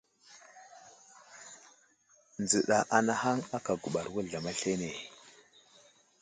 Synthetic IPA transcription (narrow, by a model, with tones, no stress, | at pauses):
nd͡zə˨ɗa˨ʔa˨na˦ha˦ŋa˦ka˨ɡu˨ɓa˨ɾwu˦ɮa˨ma˦ɬe˦ne˨